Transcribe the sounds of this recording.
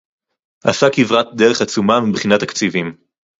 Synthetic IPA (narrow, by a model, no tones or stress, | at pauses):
ʔa̰sakivʁat̪̚d̪eʁeχat͡sumamibχinat̪akt͡sivim